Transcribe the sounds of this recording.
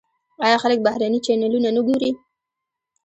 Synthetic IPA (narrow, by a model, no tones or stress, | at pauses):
ɑjɑxalək̚bahɾanit͡ʃanalunanəɡoɾi